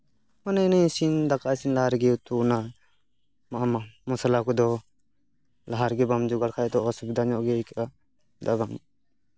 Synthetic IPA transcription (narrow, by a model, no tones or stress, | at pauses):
manajnajsind̪akasinlaɦaɾɡɛut̪una | maamamɔsalakud̪ɔ | laɦaɾɡɛbamd͡ʒuɡalkʰajɛt̪ɔɔsubid̪aɲɔʔɡɛka | d̪abam